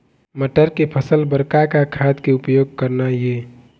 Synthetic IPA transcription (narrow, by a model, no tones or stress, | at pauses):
məʈəɾkepʰəsəlbəɾkakakʰad̪keʊpjoːɡ̚kəɾnaje